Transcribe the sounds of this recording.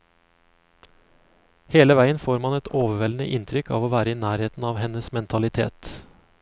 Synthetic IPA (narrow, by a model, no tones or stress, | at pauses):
heːləʋæɪənfoːɾmɑnɛt̪ʰoːʋəʋɛlnə̰ʔɪnt̪ʰɾʏkɑ̰ːʋoːʋæːɾəiːnæːɾheːt̪n̩ɑːʋhɛnəsmɛnt̪ʰɑlɪt̪ʰḛːt̪